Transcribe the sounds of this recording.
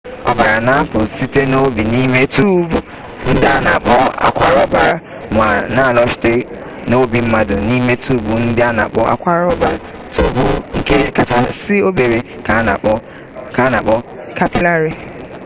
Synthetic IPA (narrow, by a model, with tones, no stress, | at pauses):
ɔ̰˨ba˨ɾa˨na˦pʊ˨si˦te˦no˦bi˨ni˦me˦tu˦bu˨ | n̩˦dɪ˦a˦na̰˨k͡pɔ˦a̰˨kʷa˦ɾɔ˦ba˨ɾa˨ | mʷ˨a˨na˦˨lɔ˦ʃi̥˨te˦ | no˦bi˨m̩˦ma˦dʊ˨ni˦me˦tu˦bu˨n̩˦dɪ˦a˦na̰˨k͡pɔ˦a̰˦kʷa˦ɾɔ˦ba˨ɾa˨ | tu˦bu˦ŋ̩˦ke˦ka˨ta˨sɪ˦o˦be˨ɾe˨ | a˨˦na̰˨k͡pɔ˦ | ka˦na˨k͡pɔ˦ka˦pi˦la˦ɾi˦